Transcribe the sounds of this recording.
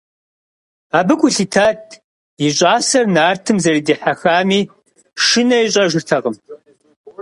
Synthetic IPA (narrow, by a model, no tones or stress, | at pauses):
aːbɨkʷʰʼʊɬiːtʰaːt̚ʰ | iɕʼaːsɐrnaːrtʰɨmzɐɾiːdiːħaxaːmiː | ʃɨnɐjɕ̬ʼɐʒɨrtʰɐʁəm